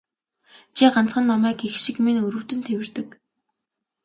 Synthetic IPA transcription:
t͡ɕʰiɢant͡sχə̆nːɔmæːkexʃikmenɵɾɵ̆w̥t̪ɘ̆nt̪ʰewɘ̆rt̪ɘ̆k

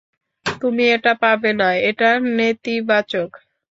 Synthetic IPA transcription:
t̪umieʈapabenaeeʈanet̪ibat͡ɕok

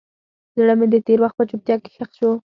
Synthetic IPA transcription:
zɽəmed̪ət̪eɾwaxt̪̚pət͡ʃʊp̚t̪jɑke̥xaxʃo

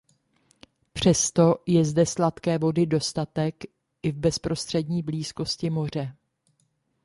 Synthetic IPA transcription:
pr̝̥ɛst̪o̞jɛzdɛslat̪kɛːvo̞dɪdo̞st̪at̪ɛk | ʔɪvbɛspɾo̞st̪r̥ɛdɲiːbliːsko̞scɪmo̞r̝ɛ

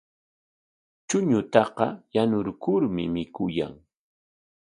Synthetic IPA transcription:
t͡ʃʊɲʊt̪ɑqɑjanʊɾkʊɾmɪmɪkʊja̰ŋ

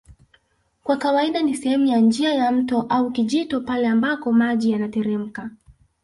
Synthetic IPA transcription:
kwakawaiɗanisɛhɛmujand͡ʒiajam̩tɔʔaukiʄitɔpalɛambapɔmaʄijanatɛɾɛm̩ka

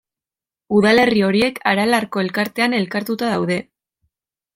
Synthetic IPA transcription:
uðale̞rio̞ɾie̞kʰaɾalarko̞e̞lkaɾt̪e̞ane̞lkaɾt̪ut̪aðawðe̞

